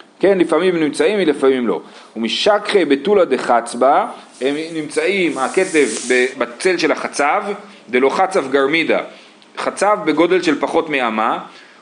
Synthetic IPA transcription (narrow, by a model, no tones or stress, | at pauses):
ke̞nlifamimnimt͡saimilefamimlo̞̰ | umiʃakχebetulad̪eχat͡sba | hemnimt͡saimake̞tevbebat͡se̞lʃe̞laχat͡sav | d̪elo̞χat͡savɡaʁmida̰ | χat͡savbe̞ɡo̞de̞lʃelpaχo̞tmeama